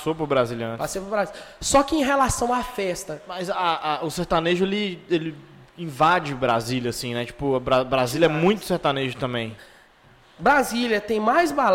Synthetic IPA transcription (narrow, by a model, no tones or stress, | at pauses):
sopʊɾbɾazilɐ̃npasepɾʊbɾazisɔkɪẽj̃ɦelasɐ̃w̃afɛst̪ɐmɐjzaʔaʊseɾt̪aneʒʊelɪelɪ | ĩvad͡ʒɪbɾa̰zilʲjɐasĩnɛt͡ʃi̥pʊɐbɾabɾaziljɐɛmmũj̃t̪ʊ̥seɾt̪aneʒʊt̪ɐ̃mbẽj̃ | bɾaziljɐt̪ẽj̃majzbal